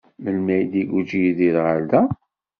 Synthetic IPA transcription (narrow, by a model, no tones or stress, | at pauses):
məlmæjd̪iɡud͡ʒijiðiɾʁald̪æ